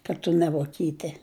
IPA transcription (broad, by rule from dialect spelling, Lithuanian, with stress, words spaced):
kɐt ˈtʊ nʲɛ ʋoːˈkʲiːtʲɛ